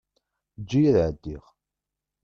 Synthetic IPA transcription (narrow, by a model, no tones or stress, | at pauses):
d͡ʒːijæðʕəd̪ːiʁ